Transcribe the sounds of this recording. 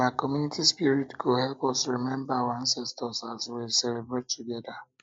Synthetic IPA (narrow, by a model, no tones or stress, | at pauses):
maɪkɔmjunitispiɾitkuhɛlpɔsɾimɛ̃mbaawãnsɛstɔsaswilsɛlebɹetːuɡɛda